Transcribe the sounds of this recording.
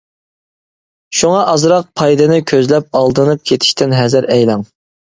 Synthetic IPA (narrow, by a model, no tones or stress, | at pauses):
ʃuŋɑʔɑzɾɑq̚pʰɑjd̪ɨnɨkʲʰøzlɛp̚ɑlˠd̪ɨnɨp̚kʲʰet̪ʰɪ̥ʃt̪ʰɪnɦɛzɪɾɛjlɑŋ